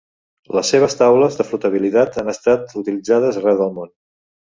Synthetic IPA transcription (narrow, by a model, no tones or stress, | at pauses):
ləsːeβ̞əst̪awləzðəflut̪əβ̞ilit̪at̪anəst̪at̪ut̪ilid͡zað̞əzrɛwðəlˠmon